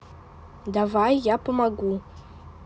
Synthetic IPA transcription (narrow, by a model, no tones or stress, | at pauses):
davajapʰɨmaɡʷu